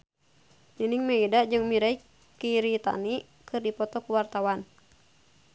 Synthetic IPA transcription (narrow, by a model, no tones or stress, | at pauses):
niniŋmɛidad͡ʒɨŋmiɾai | kiɾit̪a̰ni | kɨrdipɔt̪ɔkuwart̪awan